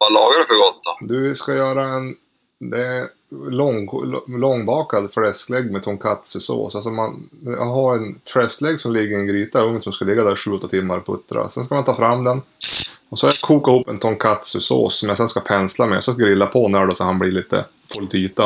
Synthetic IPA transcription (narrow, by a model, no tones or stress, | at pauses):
valɑːɡaɾɛfɔɾɡɔt̪ːad̪ɵskajœːɾaɛn | d̪ɛ | lɔŋlɔŋːbɑːkad̪flɛsklɛɡːmɛt̪ʰɔŋkʰat̪sʉso̰ːsalsɔmanja̰ɦaɾɛnt̪ʰɾɛsklɛɡsɔmlɪɡːəɾɪnɡɾiːt̪aɵŋsɔmskalɪɡːad̪æːɾʂʉ̟ːɔt̪ːat̪ʰɪmːaɾpʰɵ̰t̪ːɾa̰sɛnskamant̪ʰɑːfɾamːd̪ɛnɔsɔkʰajakʰuːkaɪhuːpːɛnt̪ʰɔŋkʰat̪sʉso̰ːsːɔmjasɛnskapʰɛnslamɛɔ̰sɔɡɾɪlːapʰɔnæɖɔsɔhanblɪɭiːt̪ə̰pʰɔlt̪ʰyːt̪a